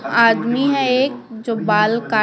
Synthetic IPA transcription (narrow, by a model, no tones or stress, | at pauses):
aːd̪miɦɛeːk̚d͡ʒoːbaːlkaː